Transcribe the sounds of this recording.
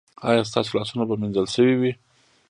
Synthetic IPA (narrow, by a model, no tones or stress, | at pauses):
ɑjɑs̬t̪ɑ̰s̬olɑsunabaminzəlʃəwiwi